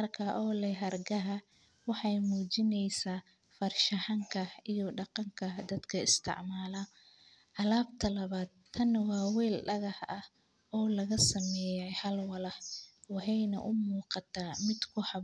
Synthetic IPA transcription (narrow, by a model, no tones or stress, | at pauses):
mɐrkʰɐʔɔːlɛɦɐrɡɐɦɐ | wɑħɑjmuːt͡ʃɪnɛjsaː | fɐrʃɐħɑŋkʰɐijɔɖɑqɑŋkʰɐd̪ɐd̪kʰɐɪst̪ʰɪ̰ʕmaːlɐ | ʔɐlaːbt̪ʰɐlɐβaːd̪̚t̪ʰːɐnwɑːwɛːlɖɐɣɐħɐh | ɔːlɐɣɐsɐmɛːjɛjhɐlwɐlɐħwɑħɑjnɐ̰ʔʊmuːqɑt̪ʰaːmɪd̪kʰʊħɑ